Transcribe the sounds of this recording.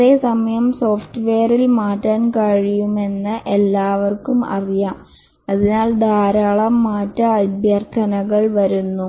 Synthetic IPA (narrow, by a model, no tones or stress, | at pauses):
ɐðe̞ːsɐmɐjɐmso̞ːfʈɨʋeːrilmaːtːaːnkaːɻijume̞nːɨʔelːaːʋɐrkumɐ̰rijaːm | ɐðinaːld̪ʱaːɾaːɭɐmːaːtːɐɐb̪ʱjɐrt̪ʰɐnɐɣɐɭʋɐɾunːu